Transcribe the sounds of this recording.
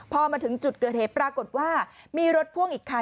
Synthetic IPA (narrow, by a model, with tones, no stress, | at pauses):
pʰɔː˧maː˧t̪ʰɯ˩˦ŋt͡ɕu˨˩t̪̚kɤː˨˩t̚heː˨˩t̪̚pɾaː˧ko˨˩t̪̚waː˥˩miː˧ɾo˦˥t̪̚pʰu˥˩əŋʔiː˨˩kʰːa˧